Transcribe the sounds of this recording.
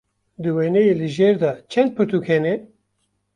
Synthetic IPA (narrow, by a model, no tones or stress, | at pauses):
d̪ɨwenejelɨʒeɾd̪ɑt͡ʃʰɛnd̪̚pʰɨɾt̪ukhɛnɛ